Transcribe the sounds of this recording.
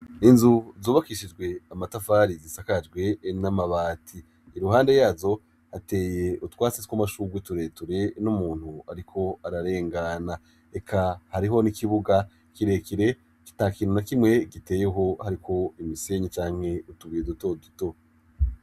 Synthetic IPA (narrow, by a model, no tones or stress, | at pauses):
inzuzuːβakiʃid͡ʒɡwe̞amatafaːɾizisakad͡ʒɡwe̞namaβaːtʰiː | ɾuɦaːnde̞jaːzo̞ | hate̞ːje̞ʔutwaːsiskwamaʃuɡwituɾe̞tuɾe̞numuːn̥huaɾikʰo̞aɾaɾe̞ːŋɡana | e̞kʰahaɾiɦo̞nikʰiβuɡa | kiɾe̞kiɾe̞ | ki̥taːkiːn̥unakimŋe̞ɡite̞ːjeɦo̞haɾikʰo̞imise̞ɲit͡ʃaːŋ̥he̞utuβijeduto̞duto̞